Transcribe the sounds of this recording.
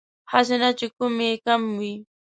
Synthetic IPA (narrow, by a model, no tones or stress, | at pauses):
has̬ɪnat͡ʃʊkʊmikamːɪ